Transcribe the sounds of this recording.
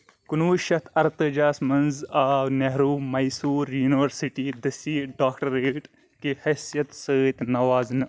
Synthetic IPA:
kunuːʃɐt̪ʰɐɾt̪ɨd͡ʒaːsmɐnzaːneɦɾuːmɐjsuːɾjuːniʋɐɾsiʈiːd̪ɐsiːɖaːkʈɐɾeʈ | kihesijɐt̪səːt̪nɐʋaːznɨ

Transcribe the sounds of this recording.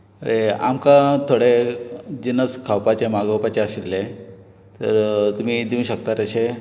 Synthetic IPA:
ɾea̰mkãt̪ʰoɽed͡ʑinət͡skʰawpat͡ɕemaɡəwpat͡ɕeəsilːe | t̪ə̰ɾt̪um̤id̪iũɕək̚t̪aɾəɕe

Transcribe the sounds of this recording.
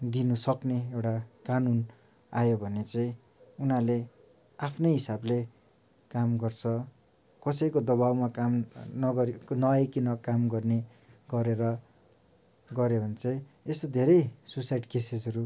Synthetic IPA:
d̪inusʌkneewʈakanun | ajobʱʌnet͡saĩ | unale | apʰnʌjɦisable | kamɡʌrt͡sʰʌ | kʌsʌjkod̪ʌβawmakamnʌɡʌnʌajkinʌkamɡʌrne | ɡʌɾeɾʌ | ɡʌɾjebʱʌnet͡sʌĩest̪od̪ʱeɾʌjsusajʈkesed͡zʌɾu

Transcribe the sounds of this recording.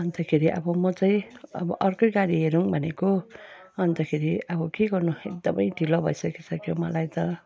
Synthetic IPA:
ʌnt̪akʰeɾiʔʌ̰bʌmʌt͡saĩʌ̰bʌʔʌrkojɡaɽiɦeɾuŋbʱʌneko | ʌnt̪ʌkʰeɾiʌbʌkeɡʌrnuek̚d̪ʌmʌjɖʱilobʱʌisʌkit͡sʰʌkʰjomʌlajt̪ʌ

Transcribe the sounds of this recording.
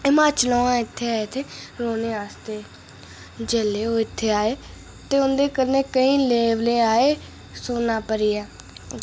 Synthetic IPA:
ɪmaːt͡ʃəlõːãːɪt̪ʰːeːaːeːt̪ʰeːɾoːneːaːst̪eː | d͡ʒeːleːoːɪt̪ʰːeːaːeː | t̪eːʊnd̪eːkəɾneːkəĩːleːʋleːaːeː | soːnaːpəɾiːɛː

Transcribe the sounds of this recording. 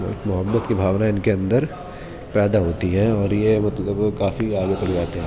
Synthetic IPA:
kmʊɦəbːət̪kibʱaːʋnaɪnkeɐ̃nd̪əɾ | pɛːd̪aɦoːt̪iɦɛɔːɾjemɐt̪ləbkaːfiaːɡet̪ɐld͡ʒaːt̪eɦɛ̃ː

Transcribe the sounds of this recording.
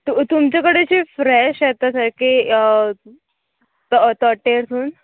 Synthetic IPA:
t̪ut̪umt͡ɕakəɽet͡ɕiːfɾɛɕjet̪asəɾki | t̪ɔt̪ɔʈeɾsʰuːn

